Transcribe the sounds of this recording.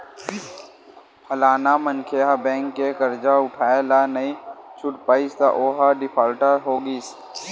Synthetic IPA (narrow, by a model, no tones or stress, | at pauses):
pʰəlaːnamənkʰeɦabɛ̃ːŋkːekəɾd͡ʒaʊʈʰaːelanəĩt͡ʃʰʊʈpaːist̪a̰ʔoːɦaɖɪpʰaːlʈəɾɦoːɡiːs